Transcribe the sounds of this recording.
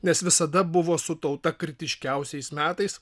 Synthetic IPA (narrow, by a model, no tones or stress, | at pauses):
nʲɛsʋʲɪsɐd̪ɐbʊʋoːsʊt̪ɐʊt̪ɐkɾʲɪt̪ʲɪʃʲkʲɛʊsʲɛɪsmʲæːt̪ɐɪs